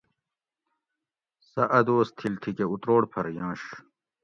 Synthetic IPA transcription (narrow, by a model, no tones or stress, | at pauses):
sɐʔɐd̪oːst̪ʰilt̪ʰikeut̪ɾoːɽpʰɐɾjãːɕ